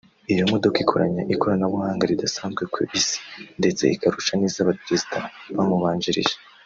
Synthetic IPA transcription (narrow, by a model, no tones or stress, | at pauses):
ijomodokikʰo̞̰ɾa̰ɲaʔiko̞ɾanaβuhaːŋɡaɾidasaːnzɡwe̞kwḛʔisi̥nde̞t͡se̞ikaɾuʃaniːzaβapɾezidaβamuβaːɲd͡ʒiɾḭʒe